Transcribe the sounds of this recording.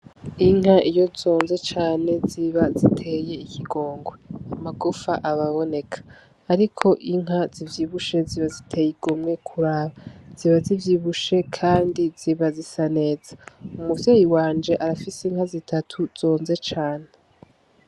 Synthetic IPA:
iŋ̥ɦaʔijo̞zo̞ːnze̞t͡ʃaːne̞ziβazitʰe̞je̞ikʰiɡo̞ːŋɡweamaɡufaʔaβaβo̞ne̞kʰḁː | ɾikʰo̞ʔiŋɦazivjiβuʃe̞ziβazitʰe̞jiɡomŋe̞kʰuɾaːβaz̥iβazivjiβuʃe̞kʰaːndiz̥iβazisane̞ːzḁumuvjeːjiwaːnd͡ʒe̞ʔaɾafiseiŋhazitʰatʰuz̥o̞ːnze̞t͡ʃaːne̞

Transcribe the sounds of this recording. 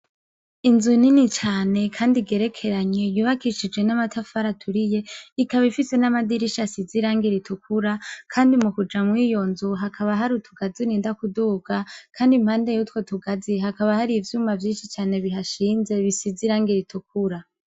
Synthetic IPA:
inzuininit͡ʃaːne̞kʰaːndiɡe̞ɾe̞kʰe̞ɾaɲe̞juβakiʃid͡ʒɡwe̞namatʰafaɾatʰuɾije̞ikaβifise̞namadiɾiʃasiziɾaːŋɡiɾitʰukʰuɾakʰaːndimukud͡ʒamwiːjo̞nzuɦakʰaβaɦaɾutʰuɡ̥aziniːndakuduːɡakʰaːndim̥haːnde̞jutwo̞tuɡaziɦakaβahaɾivjumavjiːnʃit͡ʃaːne̞βiɦaʃiːnze̞βisiziɾaːŋɡiɾitʰuk̚ʰuɾa

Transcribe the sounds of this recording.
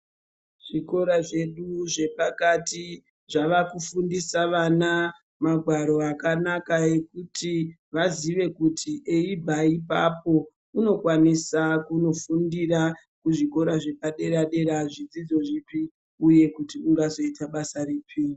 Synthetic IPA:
ʐ̥iko̞ɾaʐe̞ɗuʐe̞pakati | ʐaʋakufundisaʋana | maɡʱwaɾo̞akanakae̞kutʰi | ʋaziʋe̞kutʰiʔeibʱaipa̰po̞ | uno̞kwanisakuno̞fundira | kuʐiko̞ɾaʐe̞paɗe̞ɾaɗe̞ɾaʐid͡zid͡zo̞ʐipi | uje̞kutiuŋɡazo̞itaɓasariːpʰi

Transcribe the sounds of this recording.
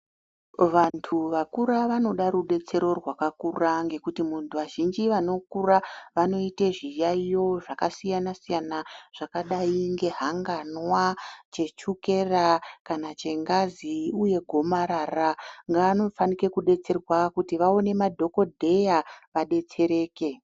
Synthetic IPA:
ʋantʰuʋakuɾaʋano̞ɗaɾuɗe̞t͡se̞ɾo̞rwakakuraŋɡe̞kutimuntʰuʋaʒind͡ʒiʋano̞kuraʋano̞iteʐijaijo̞ʐakasijanasijanaʐ̥akaɗaiŋɡe̞ɦaŋɡanwat͡ʃe̞t͡ʃuke̞rakanat͡ʃe̞ŋɡaziuje̞ɡʱo̞maɾaraŋɡaːno̞fanike̞kuɗe̞t͡se̞rwakutiʋao̞ne̞madʱo̞ko̞dʱe̞jaʋaɗe̞t͡se̞ɾe̞ːke̞

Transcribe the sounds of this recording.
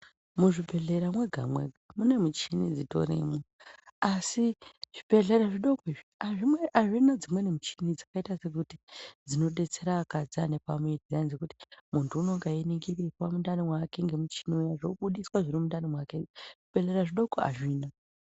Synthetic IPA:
muʐibʱe̞ɮe̞ɾamwe̞ɡʱa̰mwe̞̰ɡʱamune̞mut͡ʃinid͡zito̞̰ɾḛmo | asiʐ̥ipe̞ɮe̞ɾaʐiɗo̞koiʐiaʐimweʔaʐinad͡zimwe̞nemut͡ʃinid͡zakaitase̞kutid͡zino̞ɗe̞t͡se̞ɾaːkad͡zane̞pamwed͡zianzikuti̥muntʰuːno̞ŋɡainiŋɡirikwamundanimwake̞ŋɡe̞mut͡ʃi̥niujaʐoɓuɗiswaʐiɾimundanimwakeʐ̥ibʱe̞ɮe̞ɾaʐiɗo̞koa̰ʐiːna

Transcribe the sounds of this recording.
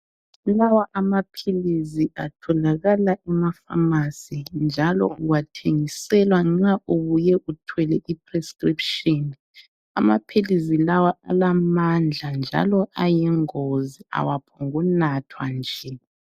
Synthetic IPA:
lawaʔamapʰiliziʔatʰɔlaɣalaʔɛmafa̰masind͡ʒʱalɔ̰uwatʰeŋisɛlwaŋ͡ǁaʔuβujɛʔutʰwɛlɛʔipʰrɛskripʃɔn | ama̰pʰilizilawaa̰lamand͡ɮʱand͡ʒʱa̰lɔʔajɛŋozia̰wapʰɔŋunatʰwand͡ʒʱɛ

